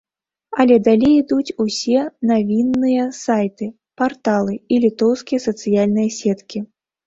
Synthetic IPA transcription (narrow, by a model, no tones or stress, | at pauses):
ɐlʲɛd̪alʲejid̪ut͡sʲusʲɛnavʲinːɨjɐsajt̪ɨ | part̪alˠɨilʲit̪ɔwskʲijɐsɐt̪sɨjalʲnɨjɐsʲɛt̪kʲi